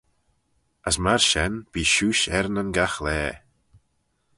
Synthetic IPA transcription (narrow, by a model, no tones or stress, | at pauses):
əsmaɹʃɛnb̥iːʃuːʃɛɾnənɡaxlɛː